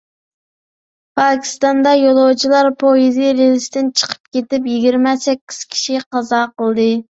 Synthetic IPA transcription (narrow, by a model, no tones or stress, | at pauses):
pʰɑkʲʰi̥st̪ɑnd̪ɑjolˠowt͡ʃʰilˠɑɾpʰojiziɾelɪsd̪ɪnt͡ʃʰə̥qʰə̥p̚kʲet̪ɪpjiɡʲiɾmɛsɛkʲːi̥z̥kʲʰi̥ʃiqɑzɑqəlˠd̪ɨ